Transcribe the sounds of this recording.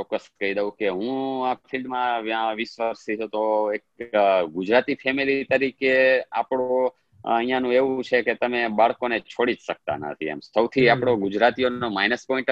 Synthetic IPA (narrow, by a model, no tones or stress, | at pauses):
t͡ʃɔkːəst̪kəid̪eʋũkeɦũafʰilɖmãʋjãʋisʋəɾsit͡ʃut̪oekɡʊd͡ʒɾat̪ipʰɛmilit̪əɾikeapɽ̃o | əɦijãnũeʋũt͡ʃʰeket̪əmebaɭkonet͡ʃʰoɽid͡ʒʃək̚t̪a̰nə̰t̪ʰḭḛmsəwt̪ʰiapɽ̃oɡʊd͡ʒɾat̪ijoomajnəspɔĩɳʈ